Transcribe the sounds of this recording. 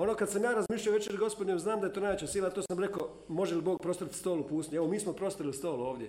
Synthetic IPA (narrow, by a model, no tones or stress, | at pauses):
o̞nokad̪samjaːɾazmiːʃlʎaoʋe̞t͡ʃeɡo̞spod̪ɲemznaːmd̪aet̪oːnajʋet͡ɕasiːlat̪oːsamɾe̞ko | mo̞ʒeliboːɡ̚pɾo̞st̪oɾit̪st̪oːlupuːst̪ɲueʋo̞miːsmopɾo̞st̪aɾilist̪o̞ːlˠuo̞ːʋd̪ʲje